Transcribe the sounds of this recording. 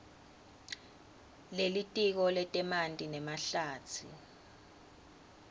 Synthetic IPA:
lelitʼik̬ɔlɛtʼɛmantʼinɛmaɬaːt͡sʰḭ

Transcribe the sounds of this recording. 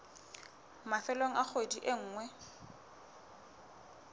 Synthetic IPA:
mafɛloŋ̩ak͡xʰodiʔeŋ̩ːŋwɛ

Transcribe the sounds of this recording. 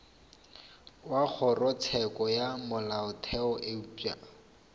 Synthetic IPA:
wak͡xʰɔrɔt͡sʰɛkʼɔjamʊlaʊtʰɛɔʔeupa̰

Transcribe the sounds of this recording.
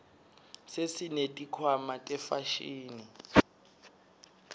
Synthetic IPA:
sesinetʼikʰwamatʼɛfaʃiːni

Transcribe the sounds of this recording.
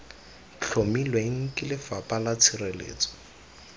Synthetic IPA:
t͡ɬʰomilweŋ̩kʼɪlɪfapʼalat͡sʰirelḛːt͡sɔ̥

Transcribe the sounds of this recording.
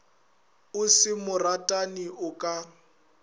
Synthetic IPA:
ʊsɪmʊratʼaniʔʊkʼa

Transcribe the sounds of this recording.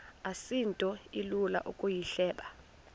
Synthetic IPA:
asintʼɔilula̰ʔukʼujiɬɛːɓa

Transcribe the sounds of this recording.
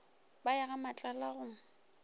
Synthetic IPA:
bajaɣamat͡ɬʼalaɣʊŋ̩

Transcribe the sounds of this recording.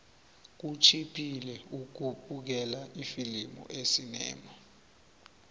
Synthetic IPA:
k̬ut͡ʃʰipʰilɛukuɓuk̬ɛlaifilimɔ̰ʔesinɛ̰ːma

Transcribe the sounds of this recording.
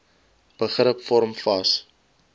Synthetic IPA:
b̥əχrəpfɔɾmfɐs

